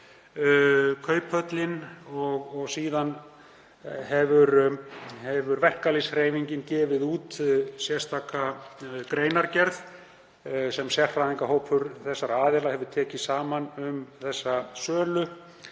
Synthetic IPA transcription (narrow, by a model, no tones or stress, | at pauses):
kʰœːɥphœt̪lɪnɔɣɔɣsiːðan | ɦɛvʏɾhɛvʏɾvɛr̥kalisreːjviɲcɪncɛːvɪðuːt̪sjɛ̥st̪ʰaːkakɾeːjnaɾcɛɾθ | sɛmsjɛr̥fɾaðiŋkaɦowpʰʏɾθɛsːaɾaːðɛlahɛvʏɾt̪ʰɛːcɪsaːmanʏmθɛsːasœːlʏ